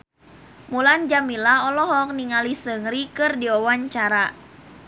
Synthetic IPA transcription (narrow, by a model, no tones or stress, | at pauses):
muland͡ʒamilaɔlɔɦɔk̚niŋalisəŋɾikɨrdiɔwaɲt͡ʃaɾa